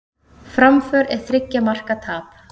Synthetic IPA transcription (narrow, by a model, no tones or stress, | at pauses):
fɾamfœːɾɛɾ̥θɾɪcːamar̥kat̪ʰaːp